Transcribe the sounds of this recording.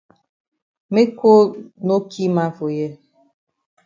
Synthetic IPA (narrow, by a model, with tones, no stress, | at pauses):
me˦kʷo˦no˦kʰi˦ma˦vo˨je˦